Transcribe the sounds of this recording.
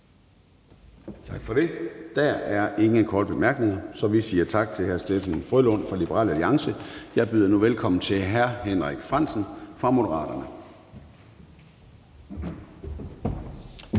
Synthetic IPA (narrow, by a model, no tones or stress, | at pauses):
t͡sʰɑ̈ɡ̥fɒ̽ɾ̥e̝d̥ææɐʔe̝ŋəkʰɒːd̥̚b̥emæɐɡ̥ne̝ŋɐsɒ̽ʋisiːɐt͡sʰɑ̈ɡ̥̚t͡sʰe̝hæɐsd̥efænfʁølɔn̰fɒlib̥əʁɑ̰ːlæliɑ̈ŋsəjɑ̈ɪb̥yðˠɐnuʋelkʰɒ̽m̰n̩t͡sʰe̝ɦæɐɦenʁaɡ̥fʁɑ̈n̰sn̩fʁɑ̈mo̝d̥əʁɑ̰̈ːɾ̥ɐnə